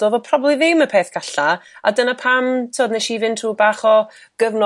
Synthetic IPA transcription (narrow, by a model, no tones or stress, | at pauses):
d̥oːðɔpʰrɔblˠiðɪwməpʰeːθkʰaɬaa̰dənapʰamtʰiɔdnɛʃivɪntʰruːbaːχɔ | ɡ̥əvnɔ